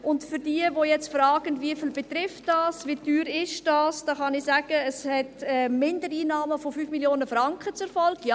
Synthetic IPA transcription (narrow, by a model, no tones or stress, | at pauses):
ʔʊntfyɾdiːəvojɛt͡stfɾɑːɡ̥ənviəfilbɛtɾɪftd̥ɑːsvityːɾɪʃd̥ɑːsd̥ɑːχɑnɪsæːɡ̥əːshɛtɛmɪndəɾiːnɑːməfofyːfmiljoːnəfrɑŋkχət͡sʊɾfɔlɡ̥jaː